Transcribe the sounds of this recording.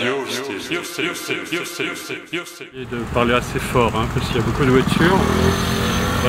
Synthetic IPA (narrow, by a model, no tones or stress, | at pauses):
ed̪əpaʁleasefɔʁɛ̃paskiljabokud̪əvwat̪ʰyʁ